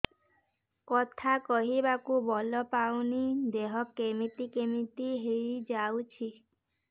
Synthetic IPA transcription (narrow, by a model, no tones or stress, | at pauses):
kɔt̪ʰakɔɦibakubɔlɔpawnid̪eɦɔkːemit̪ikemit̪iɦeɾid͡ʒawt͡ʃʰi